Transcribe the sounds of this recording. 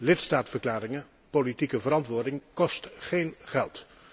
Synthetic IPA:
lɪtstaːtfəɹklaːɾɪŋə | politikəvəɾɑntʋʊːɹdɪŋkɔstχejnχɛlˠt

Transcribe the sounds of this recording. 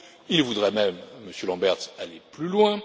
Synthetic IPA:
ilvud̪ʁɛmɛmːəsjølɑ̃bɛʁt̪aleplylwɛ̃

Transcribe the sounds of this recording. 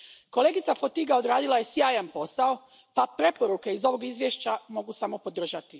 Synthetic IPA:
ko̞le̞ːɡit̪safot̪iɡaod̪ɾaːd̪ilaje̞sjaːjanpo̞sao | papɾe̞po̞ɾuke̞izo̞ʋo̞ɡizʋjeʃt͡ɕamo̞ɡusamo̞po̞d̪r̩ʒat̪i

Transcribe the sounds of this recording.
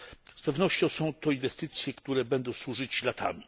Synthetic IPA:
spɛvnɔɕt͡ɕɔ̃w̃sɔ̃w̃t̪ɔinvɛst̪ɘt̪sʲjɛkt̪uɾɛbɛnd̪ɔ̃w̃swuʐɨt͡ɕlat̪ʰa̰mʲi

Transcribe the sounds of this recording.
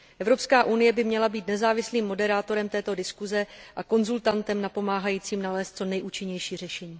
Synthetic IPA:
ʔɛvɾo̞pskaːʔunɪjɛbɪmɲɛlabiːt̪nɛzaːvɪsliːmːo̞dɛɾaːt̪o̞ɾɛmt̪ɛːt̪o̞dɪskuzɛʔako̞nzult̪ant̪ɛmnapo̞maːɦajiːt͡siːmnalɛːst̪̚t͡so̞nɛjʔuːt͡ʃɪɲɛjʃiːr̝ɛʃɛɲiː

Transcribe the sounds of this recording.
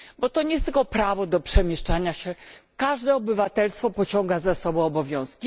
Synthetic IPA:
bɔt̪ɔɲejst̪ɘlkɔpɾavɔd̪ɔpʂɛmʲjɛʂt͡ʂaɲaɕɛkaʐd̪ɛɔbɘvat̪ɛlst̪fɔpɔt͡ɕɔŋɡazasɔbɔ̃w̃ɔbɔvʲjɔ̃w̃skʲi

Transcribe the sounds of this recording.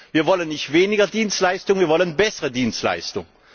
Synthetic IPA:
viːɐvɔlənːɪçtv̥eːnɪɡɐdiːnstlaɪstʊŋviːɐvɔlənbɛsəʁədiːnstla̰ɪstʊŋ

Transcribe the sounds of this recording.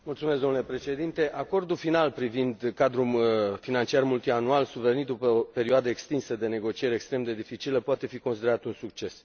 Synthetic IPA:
mult̪sumes̬zd̪onulepɾe̞ʃe̞d̪int̪e̞ʔako̞rd̪ufinalpɾivind̪kad̪ɾumfinant͡ʃiarmult̪ianualsuveɾnid̪upəope̞ɾiuad̪əekst̪insəd̪e̞ne̞ɡo̞t͡ʃieɾekst̪ɾe̞md̪e̞d̪ifit͡ʃiləpoat̪e̞fiko̞nsid̪e̞ɾat̪unsukt͡ʃe̞s

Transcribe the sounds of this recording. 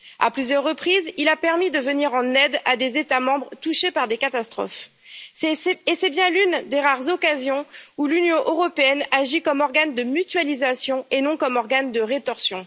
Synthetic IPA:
a̰plyzjœʁːəpχizilapɛʁmid̪əvəniʁɑ̃nɛd̪ad̪ezet̪amɑ̃bʁət̪uʃepaʁd̪ekat̪ast̪χɔ̰f | ɛɛesɛbjɛ̃lynd̪eʁaʁzɔkazjɔ̃ulynjɔ̃ʔøʁɔpeɛnaʒikɔmɔʁɡand̪əmyt̪ɥalizasjɔ̃enɔ̃kɔmɔʁɡand̪əʁet̪ɔʁsjɔ̃

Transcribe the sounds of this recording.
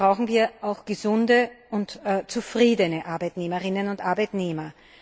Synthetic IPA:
ʁaʊxŋ̩viːɐʔaʊxɡ̥əzʊndəʔʊntːt͡sufʁiːdənəʔaɐbæɪtneːməʁɪnənʊntʔaɐbaɪtneːmɐ

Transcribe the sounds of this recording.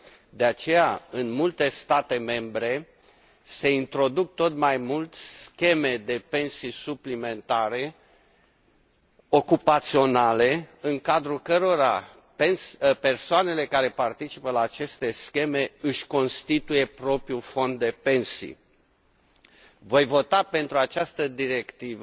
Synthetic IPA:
d̪e̞at͡ʃe̞jaɨnmult̪e̞st̪at̪e̞me̞mbɾe̞ | se̞int̪ɾo̞d̪uk̚t̪o̞t̪majmult̪skʲe̞me̞d̪e̞pe̞nsisuplime̞nt̪aɾe̞ | o̞kupat̪sio̞nale̞ɨŋkad̪ɾulkəɾo̞ɾa | penspe̞rsoane̞le̞kaɾe̞part̪it͡ʃipəlaːt͡ʃe̞st̪e̞skʲe̞me̞ɨʃʲko̞nst̪it̪uje̞pɾo̞pɾiufo̞nd̪ːe̞pe̞nsḭ | vo̞jvo̞t̪ape̞n̪t̪ɾuat͡ʃast̪əd̪iɾe̞kt̪ivə

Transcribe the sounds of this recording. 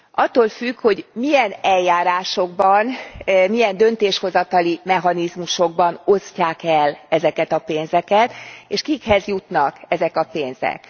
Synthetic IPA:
ʔɒt̪ːoːlfykho̞ɟmijɛnɛlːaːɾaːʃo̞ɡbɒnmijɛnd̪ø̞nt̪eːʃho̞zɒt̪ɒlimɛɦɒnizmuʃo̞ɡ̚bɒno̞scaːkɛlɛzɛkɛt̪ɒpeːnzɛkɛt̪eːʃkikhɛzjut̪nɒkɛzɛkɒpeːnz̥ɛ̰k

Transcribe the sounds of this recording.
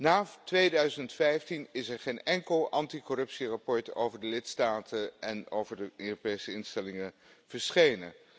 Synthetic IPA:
naːtʋejdœɥzəntfɛjftinɪsɛɹχejnɛŋkəlˠʔɑntikɔrɵpsirapɔɹto̰wvəɹdəlɪtstaːtʰənɛno̰wvəɹdəøːropejsəɪnstɛlɪŋə | v̥əɹsχejnə̰n

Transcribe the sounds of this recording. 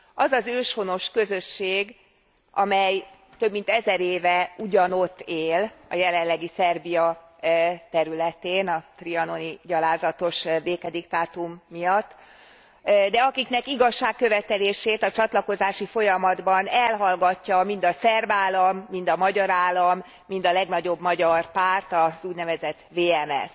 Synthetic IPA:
ɒzɒzøːʃho̞no̞ʃkø̞zø̞ʃːeːɡ | ɒ̰mɛj | t̪ø̞bmint̪ɛzɛɾeːvɛuɟɒno̞t̪ːeːlɒ̰jɛlɛllːɛɡisɛrbijɒ | t̪ɛɾylɛt̪eːnɒt̪riɒno̞niɟɒlaːzɒt̪o̞ʃbeːkɛd̪ikt̪aːt̪umːijɒt̪ː | d̪ɛɒkiknɛkiɡɒʃːaːkːø̞vɛt̪ɛleːʃeːt̪ɒt͡ʃɒt̪lɒko̞zaːʃifo̞jɒmɒd̪bɒnɛlɦɒlɡɒcːɒmind̪ɒsɛrbaːlɒmːind̪ɒmɒɟɒɾaːlːɒmː | ind̪ɒlɛɡnɒɟo̞bmɒɟɒrpaːrt̪ɒzuːɟnɛvɛzɛt̪veːɛmɛ̰s

